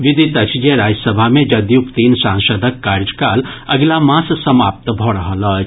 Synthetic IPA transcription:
ʋɪd̪it̪ɐt͡ʃd͡ʒeɾaːd͡ʒsəbʱamẽd͡ʒɐd̪jukt̪iːnsãːŋʃəːd̪ʱəkːaːɾd͡ʒkaːlɐɡlamãːssɐmaːp̚t̪bʱoɽɐɦəlɐ

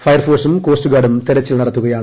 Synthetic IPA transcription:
fɐjɐrfoːsumko̞ːsʈuɡaːɽumt̪eɾɐt͡ɕːilnɐɽɐt̪ːuɣɐjaːɳ

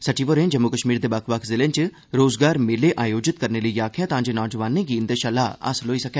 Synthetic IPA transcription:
səʈʰiːʋoɾẽːd͡ʒəmːukəʃmiːɾd̪eːbəkʰʋəkʰzɪlẽːt͡ʃ | ɾoːzɡaːɾmɪleːʔaːjoːd͡ʒɪt̪kəɾneːləiːaːkʰɪjaːt̪ãːd͡ʒeːnɔːd͡ʒəʋaːnẽːɡiːnd̪eːʃalaːə̰sloːiːsəkɛː

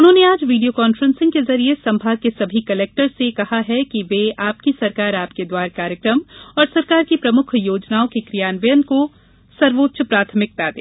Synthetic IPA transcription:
ʊnɦõːneaːd͡ʒʋiːɖijokaːnfɾə̃nsɪ̃ŋɡ̚kezɐɾiesɐ̃mbʱaːɡkesɐbʱikɐleːk̚ʈəɾsekɐɦaɦɛkiʋeaːpkisɐɾkaːɾaːpked̪waːɾkaːɾjəkɾəmɔːɾsɐɾkaːɾkipɾɐmʊkʰjoːd͡ʒnaːokekɾijaːnʋɐjənko | sɐɾʋoːt̪ːʃəpɾaːt̪ʰəmɪk̚d̪aːd̪ḛː

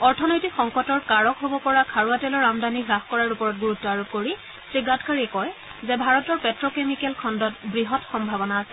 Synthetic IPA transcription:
ɔɹtʰɔnojtikxɔŋkɔtɔɹkaɹɔkɦobɔpɔɹakʰaɹuatɛlɔɹamdaniɡɹaxkɔɹaɹupɔɹɔt̚ɡuɹutːɔaɹub̚koɹi | sɹiɡatkʰaɹiɛkɔj | zɛbʱaɹɔtɔɹpɛtɹɔkemikɛlkʰɔndɔtbɹiɦɔtxɔmbʱabɔnaːsɛ̥

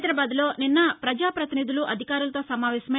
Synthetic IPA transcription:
d̪ɾɐbaːd̪ulo̞ːninːɐpɾɐd͡ʒaːpɾɐt̪inid̪uluʔɐd̪ʱikaːɾulɐt̪o̞ːsɐmaːʋɛːɕɐme

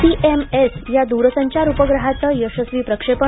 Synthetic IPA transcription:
iʔemesjad̪uɾəsəɲt͡ɕaɾupəɡɾəɦat͡səjəɕəsʋiːpɾəkʂepə

